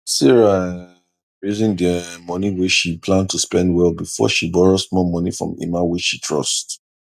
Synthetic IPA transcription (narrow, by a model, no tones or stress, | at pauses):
siɹa | ɹezɪ̃ŋdəmɔniweʃipʰlãn̚tʰuspɛ̃ndwɛlˠbifɔ̰ʃibɔɹosmɔmɔnifɹɔ̰̃mḭmawit͡ʃʃitʰɹɔ̰st